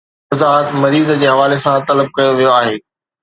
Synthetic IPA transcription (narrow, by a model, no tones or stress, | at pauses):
zaːt̪mɐɾiːzd͡ʑeːɦɐʋaːlesãt̪ɐləb̚kɐjoʋijoaːɦeː